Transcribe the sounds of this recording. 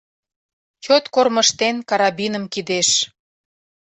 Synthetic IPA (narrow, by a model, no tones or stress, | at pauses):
t͡ɕot̪korməʃt̪enkɑɾɑbinəmkid̪eʃ